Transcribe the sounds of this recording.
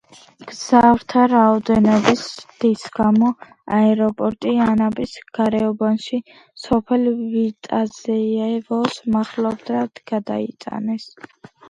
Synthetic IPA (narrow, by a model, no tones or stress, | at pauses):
ɡ̥zavɾt̪ʰaɾaɔd̪ɛnɔbisd̪̥isɡ̥amɔ | aɛɾɔpʼɔɾt̪ʼianabisɡ̥aɾɛɔbanʃi | sɔpʰɛlvit̪ʼazɛɛvɔsmaχlɔbd̪ɾad̪ɡ̥ad̪a̰it̪sʼa̰nɛs